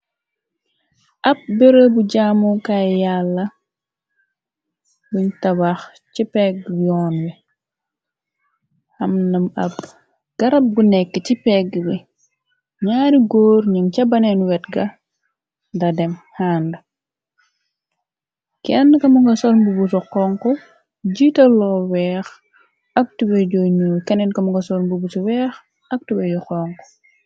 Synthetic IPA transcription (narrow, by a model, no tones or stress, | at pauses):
ʔɐb̚beɾobuɟaːmukajalːɐ | buɲtɐbax | cipɛɡ̚wijɔnwi | hɐmnɐmɐ̰b̚ | ɡ̥ɐɾɐp̚ɡunɛkːəcipɛɡbi | ɲaːɾiɡoːɾɲimcɐbɐnɛnwɛtɡɐ | dɐdɛmhaːndɐ | kɛnːkɐmuŋɡɐsɔlmbubusuqɔŋkɔ | ɟitɐlɔwɛːx | ɐk̚tubɛɟɔɲukɛnɛnkɐmuŋɡɐsɔlmbubusuwɛːx | ɐk̚tubɛɟɔxɔŋkɔ̥